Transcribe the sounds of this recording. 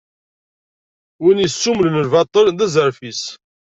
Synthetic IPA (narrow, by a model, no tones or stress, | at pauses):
winisːumləməlvɑt̪ˤːəlðæzəɾfis